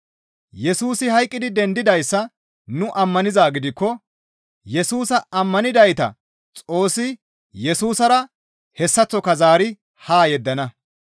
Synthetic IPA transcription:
jɛsuːsɪhɐjkʼːɪd̪ɪd̪ɛnd̪ɪd̪ɐjsːɐ | nʊʔɐmːɐnɪzaːɡɪd̪ɪkːɔ | jɛsuːsɐɐmːɐnɪd̪ɐjt̪ɐ̰ | t͡sʼo̞ːsːɪ | jɛsuːsɐɾɐ | hɛsːɐt͡sːɔkɐzaːɾɪ | haːjɛd̪ːɐnɐ

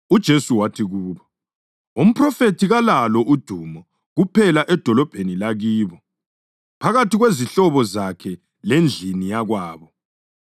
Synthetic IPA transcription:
ud̥ʒ̥ʱesuwatʰiɣuːβɔ | um̩pʰrɔfetʰiɣalalɔʔud̥ʱumɔ | ɣupʰɛlaʔɛd̥ʱɔlɔb̥ʱenilaɣiːβɔ | pʰaɣatiɣweziɬɔβɔzakʰɛ | lend͡ɮʱinijaɣwaːβɔ

